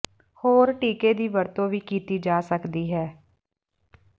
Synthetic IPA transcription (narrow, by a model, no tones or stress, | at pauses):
hoːɾʈiːkeːd̪iːʋəɾt̪õːʋiːkiːt̪iːd͡ʒaːsəkd̪iːɦɛː